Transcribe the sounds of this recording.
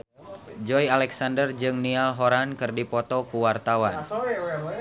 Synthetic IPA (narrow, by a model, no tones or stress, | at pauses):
d͡ʒɔjalɛksandərd͡ʒɨŋnialɦɔɾankɨrdipɔt̪ɔkuwart̪awan